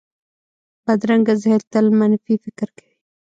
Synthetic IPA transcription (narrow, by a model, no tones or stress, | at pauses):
bad̪ɾaŋɡazhelt̪əlmanfifɪkɾkḁwi